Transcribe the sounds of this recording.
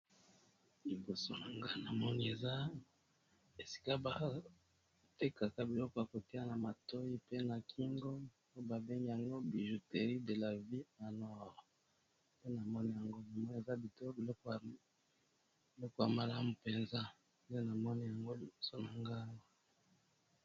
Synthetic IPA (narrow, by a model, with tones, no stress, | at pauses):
li˨bo˨so˦na˨ŋɡa˦na˨mɔ˦ni˦e˨za˦ | e˨si̥˨ka˦ba˨ | te˦ka˨ka˦bi˨lɔ˦kɔ˦ja˨ko˨ti˦a˦na˨ma˨to˦i˦pe˦na˨kʰi˦ŋɡo˦ | o˦ba˨be˦ŋɡi˦ja˨ŋɡo˦bi˨ʒu˨te˨ʁi˦de˨la˨vi˦na˨nwa˦˨ʁo˨ | pe˦na˨mɔ˦ni˦ja˨ŋɡo˦na˨mɔ˦n˨e˨za˦bi˨to˦bi˨lɔ˦k | bi˨lɔ˦kɔ˦˨ja˨ma˨la˦mu˨pe˨nza˦˨ | je˦na˨mɔ˦ni˦ja˨ŋɡo˦li˨bo˨so˦na˨ŋɡa˦ŋa˨